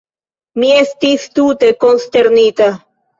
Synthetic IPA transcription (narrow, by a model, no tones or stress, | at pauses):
miest̪ist̪ut̪ekonst̪eɾnit̪a